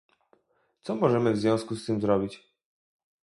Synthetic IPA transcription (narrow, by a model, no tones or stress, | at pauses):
t̪sɔmɔʐɛmɘvzvʲjɔ̃w̃skust̪ɘmzɾɔbʲit͡ɕ